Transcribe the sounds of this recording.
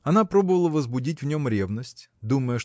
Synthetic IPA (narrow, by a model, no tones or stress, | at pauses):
ɐnapɾɔbʊʋɐlˠɐʋɐzbʊdʲitʲwnʲɔmɾʲɛʋnɐsʲtʲ | d̪umɐjɛʃ